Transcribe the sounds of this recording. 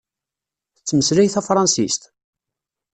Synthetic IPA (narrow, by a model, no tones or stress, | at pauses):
θət͡sːməslæjθæfɾˤɑnsist̪